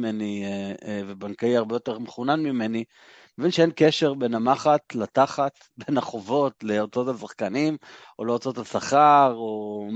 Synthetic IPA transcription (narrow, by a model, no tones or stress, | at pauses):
meni | vebaŋkaiaʁbejo̞t̪e̞ʁmeχunanmime̞ni | mevinʃeenkeʃe̞ʁbe̞namaχat̪lat̪aχat̪ | be̞naχo̞vo̞tle̞ot͡so̞tasaχkanim | oleot͡so̞tasaχaʁo